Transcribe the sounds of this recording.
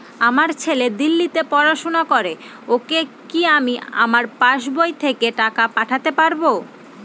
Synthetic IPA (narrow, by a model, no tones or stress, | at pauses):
amaɾt͡ɕʰeled̪ilːit̪epɔɾaʃonakoɾe | okekiamia̰maɾpaʃbojt̪ʰekeʈakapaʈʰat̪epaɾbo